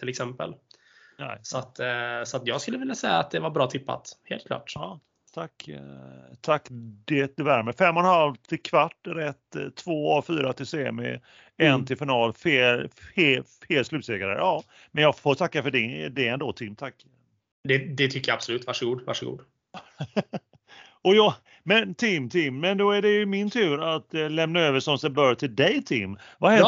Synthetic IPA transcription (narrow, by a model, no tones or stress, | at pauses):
t̪ʰɪlɛksɛmpə̰l | nɛsɔat̪sɔat̪jɑːɡskɵlːəvɪljasɛjːaːt̪̚d̪ɛvaɾbɾɑːt̪ʰɪpːa̰t̪heːlt̪̚kʰlɑ̰ːʈː | t̪ʰakː | t̪ʰakːd̪ɛd̪ɛvæɾmɛfɛmːɔnhalvt̪ʰɪlkʰvaʈːɾɛt̪ʰːvoːɔfyːɾat̪ʰɪlseːmɪ̰ | ɛnt̪ʰɪlfɪnɑːlfeːleːlfeːlslʉ̟p̪seːɡaɾə̰ʔɑː | mɛnjɑːɡfoːɾt̪ʰakːafœɖɪd̪ɛɛnd̪oːt̪ʰɪmːt̪ʰakː | d̪ɛd̪ɛt̪ʰʏkːəjaab̥sɔlʉ̟ːt̪vaʂəɡuːd̪va̰ʂəɡṵːd̪ | ɔjɑ | mɛnt̪ʰɪmt̪ʰɪmːɛnd̪ɔæɖɛjɵmɪnt̪ʰʉ̟ːɾat̪lɛmnaøːvəʂɔmsɛbœɾt̪ʰɪld̪ɛjt̪ʰɪmːvahɛ